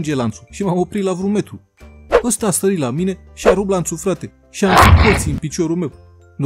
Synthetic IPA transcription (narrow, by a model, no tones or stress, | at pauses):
nd͡ʒe̞lant̪su̥ʃimamo̞pɾit̪lavɾume̞t̪ɾu | əst̪aːst̪əɾit̪lamine̞ | ʃiaɾublansufɾat̪e̞ | ʃianut̪̚k̪olt̪siɨnpit͡ʃo̞ɾulme̞w | n